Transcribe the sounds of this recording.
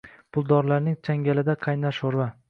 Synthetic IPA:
pʰʊlˠd̪ɒɾlaɾnɪŋt͡ʃʰaŋɡʲalɪd̪aqʰɑjnaʃoɾva

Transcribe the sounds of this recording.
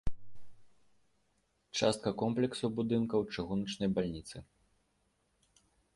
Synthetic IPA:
t͡ʂast̪̚kɐkɔmplʲɛksubud̪ɨnkɐwt͡ʂaɣunɐt͡ʂnɐjbalʲnʲit̪sɨ

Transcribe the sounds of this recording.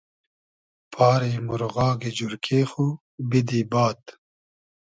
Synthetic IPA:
pʰɑːɾemuɾɣɑːɡed͡ʒuɾkʰeːxu | bid̪ibɑːt̪

